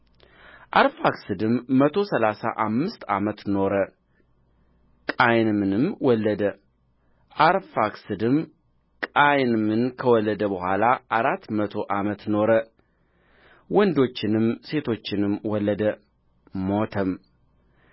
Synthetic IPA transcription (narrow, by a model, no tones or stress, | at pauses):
ʔaɾfaksɨd̪ɨmːət̪ʰo̞səlasa̰ʔamːɨst̪a̰mət̪no̞ɾə | kʼajnɨmɨnɨmwɔlːəd̪ə | ʔaɾfaksɨd̪ɨm | kʼajnɨmɨnkʰəwɔlːəd̪əbəhʷalaʔaɾat̪ːmət̪ʰo̞ʔamət̪no̞ɾə | wɔnd̪o̞t͡ʃːɪnɨmse̞t̪ʰo̞t͡ʃːɪnɨmwɔlːəd̪ə | mot̪ʰəm